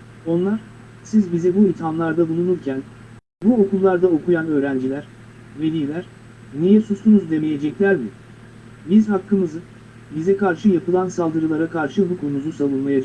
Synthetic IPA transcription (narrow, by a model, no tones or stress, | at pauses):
o̞nlˠaɾ̥ | sizbizɛbuit̪ʰamlˠaɾd̪abulˠunuɾcʰæn | buo̞kulˠlːˠaɾd̪ao̞kʰujanø̞ːɾænd͡ʒilʲæɾ̥ | ved̪iːlʲæɾ̥ | nijɛsust̪unuzd̪e̞meje̞d͡ʒɛclʲæɾmɪ | bizhakʰːɯmɯzɯ | bizɛkaɾʃɯjapɯlˠansalˠd̪ɯɾɯlˠaɾakʰaɾʃɯbukʰonuzusavˠunmajad͡ʒ